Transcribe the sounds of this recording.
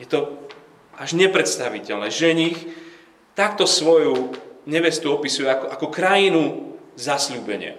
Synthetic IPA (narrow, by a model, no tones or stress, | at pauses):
jɛt̪ɔ | aʒɲɛpɾɛt̪st̪aʋicɛlnɛːʒɛɲix | t̪ak̚t̪ɔsʋɔjuɲɛʋɛst̪uɔpisujɛakɔʔakɔkɾajinuzasʎuːbɛɲɪɛ̰